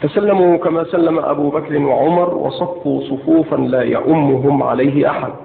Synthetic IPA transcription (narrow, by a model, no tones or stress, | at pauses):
t̪asalːamuːkamaːsalːamaʔa̰buːbakɾɪnwaʕʊmɑɾˤwɑ̰sˤɑfːuːsˤʊfuːfanlaːja̰ʔʊmːʊɦʊmʕa̰lajɦɪʔa̰ħa̰d̪̚